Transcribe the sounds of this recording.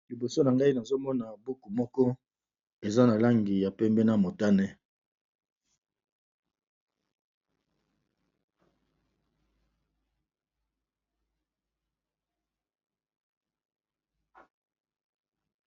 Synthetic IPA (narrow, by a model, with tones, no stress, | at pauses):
li˨bo˨so˦na˨ŋɡa˦i˦na˨zo˦mɔ˦na˨bu˦ku˨mɔ˦kɔ˦ | e˨za˦na˨la˦ŋɡi˨ja˨pɛ˦mbɛ˦na˦mo˨ta˦nɛ˦